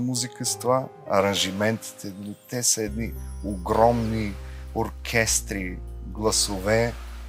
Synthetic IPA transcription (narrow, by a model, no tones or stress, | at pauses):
muzikəst̪va | ɐ̰ɾɐ̃nʒimɛnt̪i̥t̪ɛd̪lit̪ɛsəɛd̪nioɡɾɔmnioɾkʰʲɛst̪ɾiɡlˠɐsovɛ